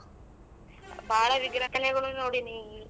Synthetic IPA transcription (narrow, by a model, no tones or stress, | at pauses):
bʱaːɽɐʋiɡɾɐt̪ːɐneɡuɽunoːɽini